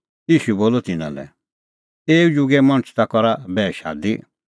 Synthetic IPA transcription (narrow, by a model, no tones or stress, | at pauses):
iːʃuboːlɔt̪ɪnã̰lɛ̰ | eːud͡ʒʊɡɛmɔ̃ɽ̃t͡ʃʰt̪akɔɾabɛːʃa̰ːd̪i